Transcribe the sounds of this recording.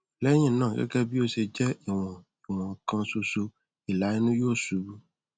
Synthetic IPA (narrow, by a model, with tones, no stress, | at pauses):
lɛ˦ɲĩ˦˨˦nãː˦˨kɛ̰˦kɛ˦bi˦o˦se˨d͡ʒɛ˦e˨w̃ɔ̃˨ | e˨w̃ɔ̃˨kã˧so˧so˧ | i˨la˨˦i˦nũ˦jo˦˨su˨˦bu˦